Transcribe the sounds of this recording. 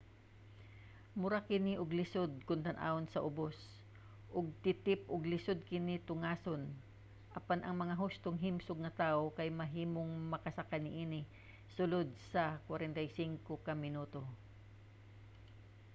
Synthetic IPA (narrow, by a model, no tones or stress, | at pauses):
mʊɾakɪnɪʔʊɡlɪsod̪̚kʊnt̪ɐnʔa̰onsɐʔʊbos | ʔʊɡ̚t̪ɪt̪ɪpʔʊɡlɪsod̪̚kɪnɪt̪ʊŋaːson | ʔɐpanʔɐŋmɐŋaɦʊst̪oŋɦɪmsʊɡ̚ŋɐt̪aːʔokɐjmɐɦiːmoŋmɐkɐsakanɪʔiːnɪ | sʊlod̪̚sɐkwaɾɛnt̪ajsiŋkokɐmɪnuːt̪o